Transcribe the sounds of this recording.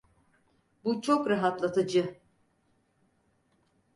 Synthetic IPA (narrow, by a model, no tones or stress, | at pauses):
but͡ʃʰokɾaɦat̪lˠat̪ʰad͡ʒɯ